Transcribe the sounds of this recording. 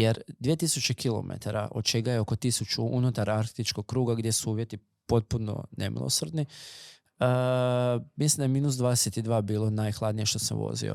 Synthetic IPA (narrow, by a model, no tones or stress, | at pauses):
je̞ɾd̪ʋiet̪isut͡ɕe̞kilo̞̰mḛt̪aɾa̰ʔod̪̚t͡ʃe̞ɡajeo̞ko̞t̪isut͡ʃuʔunut̪aɾaɾxt̪it͡ʃko̞ɡ̥̚kːɾuːɡaɡd̪je̞suuːʋje̞t̪i | po̞t̪̚puno̞̰ne̞̰mʔḭlˠo̰sorɾd̪ni | ə | mislimd̪ajmiːnus̬d̪ʋaːd̪ese̞t̪id̪ʋaːbiːlˠonajxlˠad̪nije̞ʃt̪o̞samʋo̰zḭo̰